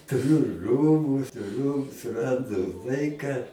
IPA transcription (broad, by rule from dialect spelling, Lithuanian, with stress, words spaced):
tʊˈrʲʊ ˈruːbʊ tʊˈrʲʊ sʊˈrɐndʊ ˈlˠɐɪkɐ